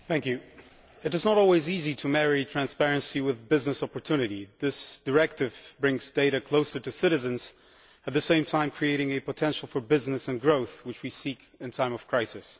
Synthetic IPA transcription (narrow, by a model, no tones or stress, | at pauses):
θæ̃ŋkjʉ | ɨɾɨznəɾɔlˠwiziziɾɨmɛɹitʰɹ̥æ̃nspɛɹɨ̃nsiwɨðbɪznɨsɑpəɹtʰʉnɨɾiðɪsd̥ə˞ɛk̚tɨvbɹɪ̃ŋzdeɪɾɨkʰl̥oʊsə˞ɾɨsɪɾɨzɨ̃nz̥ | ɨt̪̚ðɨsẽɪ̃mtʰãɪ̃mkʰɹ̥ieɪɾɪ̃ŋɨpətʰɛ̃nʃl̩ˠfə˞bɪznɨsɨ̃nɡɹoʊθwɨt͡ʃwisik | ɨ̃ntʰãɪ̃mʌv̥kʰɹ̥aɪsɨs